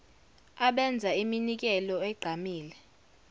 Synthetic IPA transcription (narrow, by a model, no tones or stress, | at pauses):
aɓɛnd͡zʱaiminik̬ɛlɔɛɡ͡ǃʱamiːlɛ